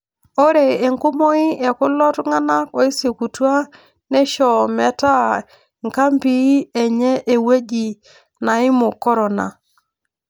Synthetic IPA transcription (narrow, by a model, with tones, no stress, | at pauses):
o˦ɾe˨e˨ŋko˦mo˦i˦ɛ˨kʊ˦lɔ˦tŋa˦na˦ko˨i˦se˨ku˨twa˦ | nɛ˦ʃɔ˨mɛ˨ta˦ | ŋka˦mpi˦ɛ˨ɲɛ˦ʔe˨we˦d͡ʒi˨ | na˨i˦mʊ˨kɔ˦ɾɔ˨na̰˨